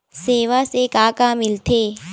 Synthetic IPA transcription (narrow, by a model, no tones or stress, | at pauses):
seːʋasekaːkaːmɪlt̪ʰeː